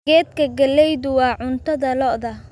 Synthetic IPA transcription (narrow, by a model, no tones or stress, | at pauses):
ɛːd̪kʰɐɡɐlɛjðʊwɑːʕʊnt̪ʰɐðɐlɔʔðɐ